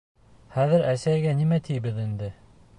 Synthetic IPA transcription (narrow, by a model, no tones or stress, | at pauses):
χæðɘɾæsæjɡænimæt̪ijbɘðind̪ɘ